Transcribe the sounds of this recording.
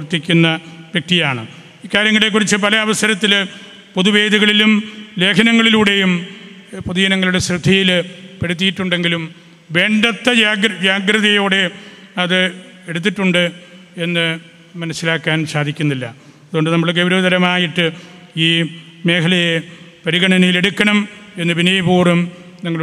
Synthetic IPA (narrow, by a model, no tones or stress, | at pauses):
rt̪ːikʲːunːɐʋjek̚t̪ijaːɳɨ̰ | iːkːaːɾjɐŋːɡilekːurit͡ɕːɨpɐlɐɐʋɐsɐɾɐt̪ːil | poðuʋe̞ːd̪iɣɐɭilumle̞ːkʰɐnɐŋːɐɭiluːɽe̞jum | poðijɐnɐŋːɐɭluɽe̞srɨd̪ʱːɐjilpeɽut̪̬ːijiʈːuɳɖe̞ŋɡilum | ʋe̞ːɳɖɐt̪ːɐaːɡd͡ʑaːɡɾɐðɐjo̞ːɽe̞ɐðɨe̞ɽut̪̬ːiʈːuɳɖɨ | e̞nːɨ | mɐnɐsːilaːkːaːnsaːd̪ʱikʲːunːilːɐ̰ | ɐðuɣoɳɖɨnɐmːɐɭɡeʋɾɐːd̪ɐɾɐmaːjiʈːɨ | iːme̞ːkʰɐlɐjepɐɾiɣɐɳɐnɐjile̞ɽukʲːɐɳɐme̞nːɨbʱinɐjɐbuːrum | niŋːɐɭ